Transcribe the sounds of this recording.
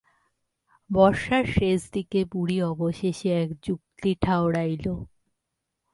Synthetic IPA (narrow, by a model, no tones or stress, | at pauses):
bɔɾʃaɾʃeʃd̪ikebuɽiɔboʃeʃeɛkd͡ʑuk̚t̪iʈʰaoɽajlo